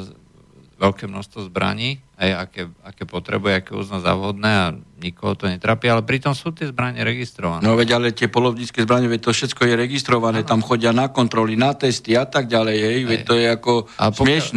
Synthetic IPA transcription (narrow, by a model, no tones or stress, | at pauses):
ʋɛlkɛːmnɔst̪ʋɔzbɾa̰ɲiːɦɛjakɛːakɛːpɔt̪ɾɛ̰bujɛakɛṵznaza̰ʊɦɔd̪nɛːaɲikɔɦɔt̪ɔɲɛt̪ɾaːpialɛpɾit̪ɔmsuːt̪ɪɛzbɾaɲɛɾɛɡist̪ɾɔʋannɔʋɛɟalɛt̪ɪɛpɔlɔʊɲit͡skɛzbɾaɲɛʋɛc̚t̪ɔfʃɛt͡skɔjɛɾɛɡist̪ɾɔʋanɛːt̪amxɔɟɪanakɔnt̪ɾɔlinat̪ɛst̪iat̪aɡ̚ɟalɛjɦɛjʋɛt̪ɔjɛakɔa̰smɪɛʃn